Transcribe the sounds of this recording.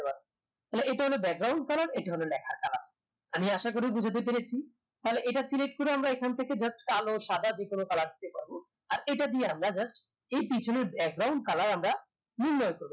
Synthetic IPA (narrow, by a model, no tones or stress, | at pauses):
epaɾ | aeleʔeʈaɦolebɛɡ̚ɡɾawɳɖkalaɾejʈaɦolonɛkʰaɾkalaɾ | amiaʃak̬oɾebud͡ʑʱat̪̬ep̬eɾet͡ɕʰi | t̪aɦleʔeʈasileʈ̚koɾeamɾaekʰant̪ʰeked͡ʑasʈkaloʃad̪ad͡ʑekonokalaɾd̪it̪epaɾbo | aɾeʈad̪ieamɾad͡ʑasʈ | ejpit͡ɕʰoneɾbɛk̚ɡɾawɳɖ̚kalaɾamɾa | niɾnːɔjkoɾbo